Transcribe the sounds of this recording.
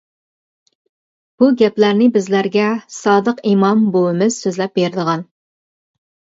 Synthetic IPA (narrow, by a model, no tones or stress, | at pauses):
b̥uɡʲɛplæɾnɪbɪzlæɾɡʲɛsɑːd̪əqimɑmbowɪmɪz̥søzlɛp̚beɾɪd̪əʁɑn